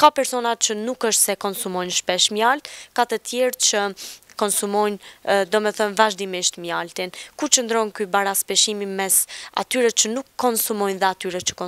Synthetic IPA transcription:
kapɛɾsɔnat͡ʃənukəʃt̪sɛkɔnsumɔjnʃpɛʃmjalt̪kat̪ət̪ʰjɛɾt͡ʃəkɔnsumɔjnd̪ɔmɛθənvaʒd̪imiʃt̪mjalt̪inkut͡ʃənd̪ɾɔnkybaɾaspɛʃimimɛsa̰t̪yɾɛt͡ʃənukʰːɔnsumɔjnðɛat̪yɾɛt͡ʃə̥kɔ

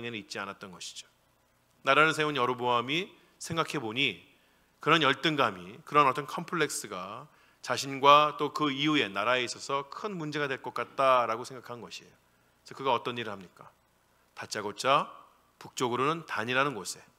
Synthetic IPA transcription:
ŋenɯit̚t͡ɕ͈ianat̚t͈ʌnɡʌɕʰi̥d͡ʑo̥ | naɾaɾɯɭsʰe̞unjʌɾoboami | sʰe̞ŋɡakʰe̞boɲi | kɯɾʌnjʌɭt͈ɯŋɡamikɯɾʌnʌt͈ʌnkʰʌmpʰɯɭːe̞k̚s͈ɯɡa | t͡ɕaɕʰinɡwat͈okɯiue̞naɾaeis͈ʌsʰʌkʰɯnmund͡ʑe̞ɡadwe̞ɭk͈ʌk͈at̚t͈aɾaɡosʰe̞ŋɡakʰanɯnɡʌɕʰiejo | sʰʌkɯɡaʌt͈ʌniɾɯɭhamɲik͈a | tat͡ɕ͈aɡot͡ɕ͈a | puk̚t͡ɕ͈oɡɯɾonɯntaɲiɾanɯnɡosʰe̞

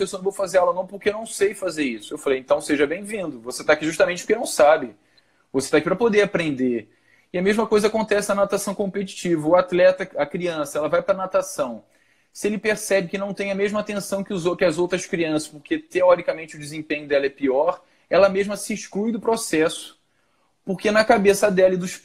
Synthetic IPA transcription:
esoñvowfazeɾɛlɐnɐ̃w̃poχkeewnɐ̃w̃sejfazeɾisʊ̥ewfalejẽnt̪ɐ̃w̃seʒɐbẽj̃vĩnd̪ʊvoset̪akiʒuʃt̪ɐmẽt͡ʃɪpo̥ɾkenɐ̃w̃sabɪ | voset̪akipɾɐpod̪eɾapɾẽnd̪e | ɪɐmeʒmɐkojzɐakõnt̪ɛsɪɐnat̪asɐ̃w̃kõmpet͡ʃi̥t͡ʃivɐʊat̪lɛt̪ɐɐkɾiɐ̃sɐɛlɐvajpɾɐnat̪asɐ̃w̃ | sɪelɪpeɾsɛbɪkɪnɐ̃w̃t̪ẽj̃ɐmeʒmɐaːt̪ẽsɐ̃w̃kɪʊzokɪɐzowt̪ɾɐskɾiɐ̃sɐ̥ʃpoɾket̪eɔɾikɐmẽnt͡ʃɪʊd͡ʒɪzẽmpẽɲʊd̪ɛlɐɛpiɔɾ | ɛlɐmeʒmɐsɪʃklujd̪ʊpɾosɛsʊ̥ | poɾkenɐkabesɐd̪ɛlɐɪd̪ʊʃ

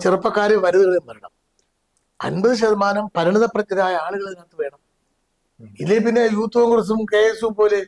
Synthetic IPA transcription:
t͡ɕirɨpːɐkːaːɾɐʋɐɾɐðɐɣɐɭimpɐɾɐɳɐm | ɐ̰nbɐðɨɕɐðɐmaːnɐmpɐɾiɳiðɐprɐt͡ɕːɐðaːjɐaːɭuɣɐɭekɐt̪ːɨʋe̞ːɳɐm | ilːep̬inːejuːt̪ːuʋɐŋkurɐs̬ɐmkeːsupo̞ːle

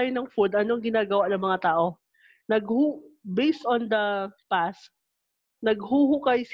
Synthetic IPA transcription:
jonɐŋfud̪ʔɐnoɐŋɡɪnaːɡɐwaʔnɐŋmɐŋat̪aːʔo̞ | nɐɡhubejst̪ond̪ɐpas | nɐɡ̚huhukɐjs

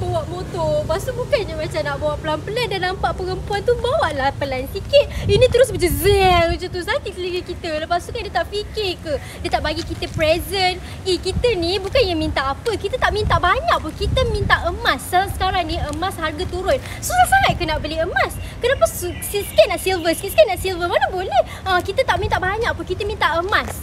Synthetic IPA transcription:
bawaʔmot̪ɔbasubukanɲəmat͡ʃamnaʔbawaʔpəlampəlandanampaʔpəɣəmpuant̪ubawaʔlahpəlansikɪt̪̚inĩt̪əɾʊs̬bəd͡ʒəzɛŋd͡ʒət̪usak̪it̪əliɡəkit̪ələpasukandiət̪aʔfikɪkə | diət̪aʔbaɡikit̪əpɾɛzən | ikit̪ənibukanjamint̪aʔapəkit̪ət̪aʔmĩnt̪aʔbaɲaʔ̚pʊnkit̪əmint̪aʔəmasasə̥kaɾaŋniəmasharɡat̪uɾʊn | suɾasaɦat̪̚kənaʔboleəmaskənapasusiskɛnaʔsilvəskit̪skanaʔsilvəmanabolɛh | əkit̪ət̪aʔmint̪aʔbaɲaʔ̚pʊnkit̪əmĩnt̪aʔəmas

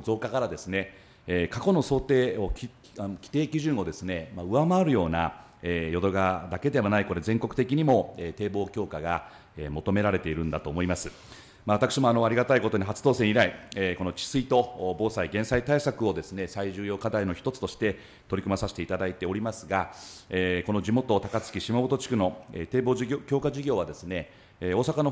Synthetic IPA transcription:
zo̞ːkakaɾad̪e̞sɨne̞ | kako̞no̞so̞ːt̪e̞ːo̞kʲ | kʲi̥t̪e̞ːkʲiʑɨ̃ɰ̃o̞d̪e̞sɨne̞maɯ̟βamaaɾɯ̟jo̞ːna | ejo̞d̪o̞ɡad̪ake̞d̪e̞βanaiko̞ɾe̞zẽ̞ŋko̞kɯ̟t̪e̞kʲiɲ̟imo̞et̪e̞ːbo̞ːkʲo̞ːkaɡa | emo̞t̪o̞me̞ɾaɾe̞t̪e̞iɾɯ̟̃nd̪at̪o̞ːmo̞imasɨ | maβat̪akɯ̥ɕimo̞ano̞aɾʲiɡat̪aiko̞t̪o̞ɲ̟iɦat͡sɨ̥d̪o̞ːsẽ̞ɰ̃iɾaieko̞no̞t͡ɕi̥sɨit̪o̞bo̞ːsaiɡẽ̞ɰ̃sait̪aisakɯ̟o̞d̪e̞sɨne̞saiʑɨːjo̞ːkad̪aino̞çi̥t̪o̞t͡sɨ̥t̪oɕi̥t̪e̞ | t̪o̞ɾʲikɯ̟masaɕi̥t̪e̞it̪ad̪ait̪e̞o̞ɾʲimasɨɡaeko̞no̞d͡ʑimo̞t̪o̞t̪akat͡sɨ̥kʲiɕimabot̪o̞t͡ɕi̥kɯ̟no̞et̪e̞ːbo̞ːokʲo̞ːkaʑiɡʲo̞ːβad̪e̞sɨne̞ | o̞ːsakano̞

